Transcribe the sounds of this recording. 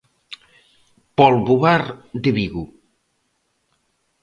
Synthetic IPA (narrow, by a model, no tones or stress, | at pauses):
pɔlβuβaɾd̪eβiɣu